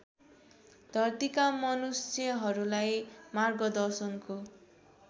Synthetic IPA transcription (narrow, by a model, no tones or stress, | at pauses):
d̪ʱʌrt̪ikamʌnusjʌɦʌɾulajmarɡʌd̪ʌrsʌnko